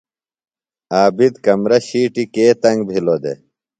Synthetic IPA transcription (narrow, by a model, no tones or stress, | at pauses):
aːbid̪kɐmɾɐɕiːʈikeːt̪ɐŋɡbʱilod̪ḛ